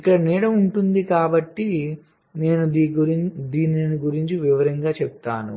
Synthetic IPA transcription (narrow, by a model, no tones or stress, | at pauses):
ikːɐɽɐniːɽɐmuɳʈund̪ikaːbɐʈːi | ne̞ːnud̪iuɾid̪iːnɐniɡuɾiɲt͡ʃiʋiʋɐɾɐŋɡaːt͡ʃɛb̚t̪aːnṵ